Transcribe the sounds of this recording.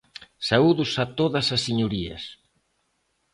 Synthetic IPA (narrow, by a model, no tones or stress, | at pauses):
sauðʊsat̪oðɐsɐsːiɲuɾiɐ̰s